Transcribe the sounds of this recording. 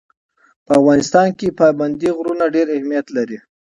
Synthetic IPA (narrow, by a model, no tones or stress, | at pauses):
pəafɣɑnɪst̪ɑnkepɑjband̪iɣɾunaɖeɾɪhmijat̪laɾi